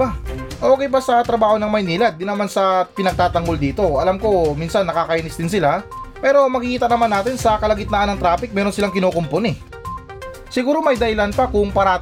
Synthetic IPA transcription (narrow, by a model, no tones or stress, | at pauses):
aʔo̞ːkɛjbɐsɐt̪ɾɐbaːhonɐŋmɐjniːlɐd̪ːɪnːɐmansɐpɪnɐɡ̚t̪aːt̪ɐŋɡo̞ld̪iːt̪o̞ʔɐlamko̞minsɐnːɐkaːkɐʔinɪsd̪ɪnsɪlapɛːɾo̞mɐɡɪkiːt̪ɐnɐmanːaːt̪ɪnsɐkɐlɐɡɪt̪nɐʔanɐŋt̪ɾaːpɪk̚mɛːɾo̞nsɪlaŋkɪnoːkomponɛ | sɪɡuːɾo̞mɐjd̪ɐhɪlanpɐkʊŋpɐɾa